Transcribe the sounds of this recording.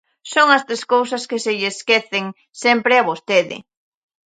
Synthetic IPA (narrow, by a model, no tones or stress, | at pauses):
soŋɐst̪ɾeskowsɐskɪsɪʎeskeθɪŋ | sempɾɪaβost̪eðɪ̰